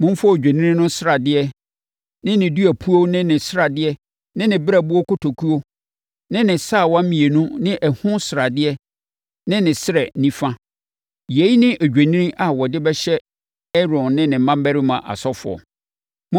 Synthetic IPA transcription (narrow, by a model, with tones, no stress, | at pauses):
mʊ̃˦m˦fɔ˦˨d͡ʑᶣe˨nĩ˦ĩ˦nʊ̃˦sɪ˦ɾa˨dɪ˦ɛ˦ | nɪ̃˦nɪ̃˨du˦æ˨pʰu˦o˦nɪ̃˦nɪ̃˨sɾa˨dɪ˦ɛ˦ | nɪ̃˦nɪ̃˨bɪ˦ɾæ˨bʊ˦ɔ˦kʰʊ˦tʰo˨kʰu˦o˦ | nɪ̃˦nɪ̃˨sa˦˨wa˦mĩ˨e˨nũ˦nɪ̃˦ʔɛ˨hʊ̃˦sɪ˨ɾa˨dɪ˦ɛ˦ | nɪ̃˦nɪ̃˨sɪ˦ɾɛ˨˦nĩ˦fã˦ | je˨˦i˦nɪ̃˦ʔæ˨d͡ʑᶣæ˨nĩ˦ĩ˦ʔa˨wɔ˨dɪ˦bɛ˦ɕɛ˦ | ɛ˦ɾɔ̃˨nːɪ̃˦nɪ̃˨˦mã˦m˦bæ˦ɾɪ˦mã̰˨ʔa̰˨sɔ˦fʊ̰˨ɔ̰˨ | m̃˦